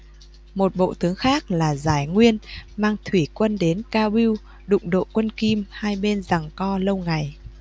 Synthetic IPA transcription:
mo˨˩t̚ɓo̰˧˨t̪ɨ˨˦əŋxaː˦˥k̚laː˨˩zaː˧˩jŋwi˧ənmaː˧ŋt̪ʰwi˧˩kwə˧nɗe˨˦nkaː˧ɓi˧w | ɗʊ̰˧˨ŋ͡mɗo̰˧˨kwə˧nki˧mhaː˧jɓe˧nza˨˩ŋkɔ˧lə˧wŋa˨˩j

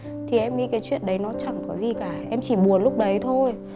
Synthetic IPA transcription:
t̪ʰi˨˩ʔɛ˧mŋḭ˧˦kaː˨˦jt͡ɕwḭ˧˨ənɗə˨˦jnɔ˨˦t͡ɕa˧˩ŋkɔ˨˦zi˨˩kaː˧˩ʔɛ˧mt͡ɕi˧˩ɓu˨˩ənlʊ˦˥k͡p̚ɗə˨˦jt̪ʰo˧j

